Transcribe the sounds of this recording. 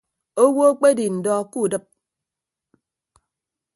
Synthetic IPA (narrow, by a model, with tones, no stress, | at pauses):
o˦wo˦o˦k͡pe˦di˨n̩˨dɔ˦ku˦˨dɨ˦p̚